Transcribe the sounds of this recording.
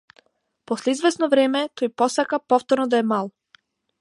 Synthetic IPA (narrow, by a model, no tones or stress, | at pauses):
pɔslɛizvɛsnɔvɾɛmɛt̪ojpɔsakapɔft̪ɔɾnɔd̪aɛmalˠ